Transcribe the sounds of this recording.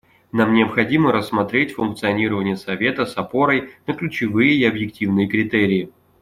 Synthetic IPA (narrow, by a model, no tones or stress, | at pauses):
namnʲɪəpxɐdʲiməɾəsːmɐt̪ɾʲetʲfʊnk̚t̪sɨɐnʲiɾəvənʲɪjəsɐvʲe̞t̪əsɐpo̞ɾəjnəklʲʉt͡ɕɪvɨjəiɐbjɪk̚tʲivnɨjəkɾʲɪt̪eɾʲɪjɪ